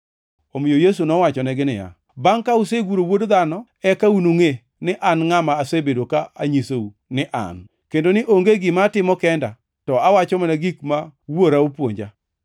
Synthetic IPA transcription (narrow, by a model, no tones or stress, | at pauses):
omɪjojes̬unɔwat͡ʃɔnɛɡɪnɪja̰ | baŋkauseɡuɾowodd̪anɔ | ɛkaunoŋe | nɪʔanŋamaːsebedokaaɲisou | nɪʔa̰n | kendonɪʔoŋɡeɡɪmaːtɪmɔkɛnda | tɔawat͡ʃɔmanaɡikmawoɾaupwo̰ɲd͡ʒa̰